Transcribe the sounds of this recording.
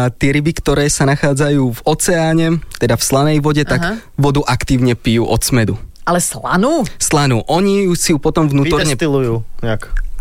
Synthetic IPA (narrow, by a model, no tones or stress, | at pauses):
t̪ɪɛɾibikt̪ɔɾɛːsanaxaːd͡zajuːvɔt͡sɛaːɲɛt̪ɛd̪afslanɛjʋɔɟɛt̪aɡɡʋɔd̪uʔakt̪iːʊɲɛpijṵːʔɔt̪smɛd̪ualɛsla̰nuːslanuːʔɔɲijuʃsijupɔt̪ɔmvnuːt̪ɔɾɲɛt̪ilujuːɲak